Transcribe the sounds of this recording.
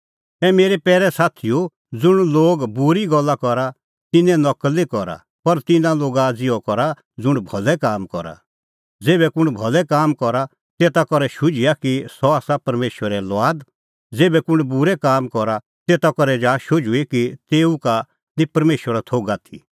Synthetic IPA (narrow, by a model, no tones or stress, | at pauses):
ɛmeːɾepɛːɾɛsaːt̪ʰijo | d͡zʊɽ̃loːɡbʊɾiɡɔlːakɔɾa | t̪ɪnɛ̃nɔklːikɔɾa̰ | pɐɾt̪ɪnãloːɡad͡zɪɔkɔɾa | d͡zʊɽ̃bʱɔlɛkaːmkɔɾa̰ | d͡zeːbɛkʊɽ̃bʱɔlɛkaːmkɔɾa | t̪eːt̪akɔɾɛʃʊd͡ʒɪjakisɔaːsapɐɾmeːʃwəɾɛlʋaːd̪ | d͡zeːbɛkʊɽ̃bʊɾɛkaːmkɔɾa | t̪eːt̪akɔɾɛd͡ʒaːʃʊd͡ʒuikit̪eːuka | nĩpɐɾmeːʃʋəɾat̪ʰoːɡat̪ʰḭ